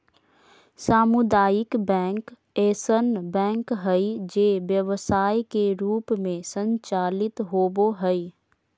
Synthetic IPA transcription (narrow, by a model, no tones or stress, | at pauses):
saːmʊd̪aːjɪkbɛ̃ːŋk | eːsənbɛ̃ːŋkɦɛid͡ʒeʋjəʋsaːikeɾuːpmẽsə̃ɲt͡ʃaːlɪt̪ɦoːboɦɛi